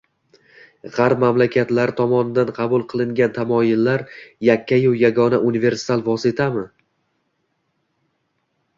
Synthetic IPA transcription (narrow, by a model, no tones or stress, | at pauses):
ʁɑɾpmamlakʲʰat̪laɾɪt̪ʰɒmɒnɪd̪anqʰɑbʊlˠqʰɨlˠɪŋɡʲant̪ʰamɒjɪlːaɾjakʲʰːajʊjaɡɒnaunive̞ɾsɪ̥t̪alˠvɒsɪt̪ʰamɪ